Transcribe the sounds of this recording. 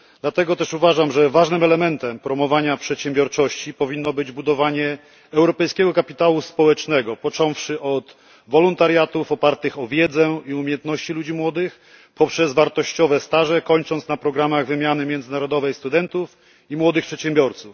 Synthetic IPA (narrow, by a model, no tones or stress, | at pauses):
d̪lat̪ɛɡɔt̪ɛʂuvaʐamʐɛvaʐnɘmɛlɛmɛnt̪ɛmpɾɔmɔvaɲapʂɛt̪ɕɛmbʲjɔɾt͡ʂɔɕt͡ɕipɔvʲinːɔbɘd͡ʑbud̪ɔvaɲɛ | ɛwɾɔpɛjskʲɛɡɔkapʲit̪awuspɔwɛt͡ʂnɛɡɔpɔt͡ʂɔ̃w̃fʂɘʔɔt̪ | vɔlɔnt̪aɾjat̪ufɔpaɾt̪ɘxɔvʲjɛd̪zɛiumʲjɛnt̪nɔɕt͡ɕilud͡ʑimwɔd̪ɘx | pɔpʂɛzvaɾt̪ɔɕt͡ɕɔvɛst̪aʐɛkɔɲt͡ʂɔnt̪snapɾɔɡɾamaɣvɘmʲjanɘmʲjɛnd̪zɘnaɾɔd̪ɔvɛjst̪ud̪ɛnt̪uf | imwɔd̪ɘxpʂɛt̪ɕɛmbʲjɔɾt̪suf